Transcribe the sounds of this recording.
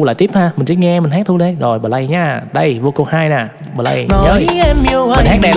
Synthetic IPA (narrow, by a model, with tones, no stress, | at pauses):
la̰ː˨t̪i˦˥p̚haː˧mi˨˩ŋ̟t͡ɕi˦˥ŋɛ˧mï̟˨˩ɦaː˦˥t̪ʰu˧ɗe˧˦zo˨˩jɓəː˨˩la˧˩jɲaː˧˩ɗə˧jvu˧ko˧haː˧jnaː˨˩ | ɓəː˨˩la˧jɲəː˧˦ɛ˧mɲi˨˧əwm˧˨˩nha˦˥ɗɛ˧